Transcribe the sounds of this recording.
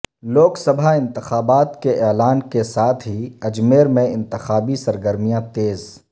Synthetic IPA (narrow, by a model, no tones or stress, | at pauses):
loːksəbʱaɪ̃nt̪ɪxaːbaːt̪keʔɛːlaːnkesaːt̪ʰɦiɐd͡ʒmeːɾmẽɪ̃nt̪ɪxaːbisɐɾɡəɾmijãt̪eːz